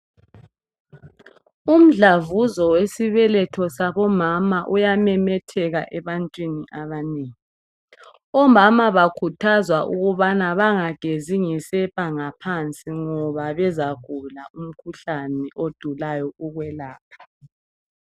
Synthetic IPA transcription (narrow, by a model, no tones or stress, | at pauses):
um̩ɮavuzɔwesiβɛlɛtʰɔsaβɔmamaʔujamɛmɛtʰɛɣaʔɛβantʼwiniʔaβaneːŋi | ɔmamaβakʰutʰazwaʔuɣuβanaβaŋaɡ̥ʱeziŋisɛpʼaŋapʰant͡sʼiŋɔβaβɛzaɡ̥ʱulaum̩kʰuɬanɛʔod̥ʱulajɔuɣwɛlaːpʰḁ